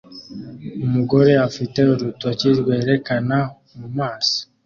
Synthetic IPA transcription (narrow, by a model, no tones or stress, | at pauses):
umuɡo̞ɾe̞afite̞oɾutuacizɡwe̞ːɾe̞kana | mumaːso̥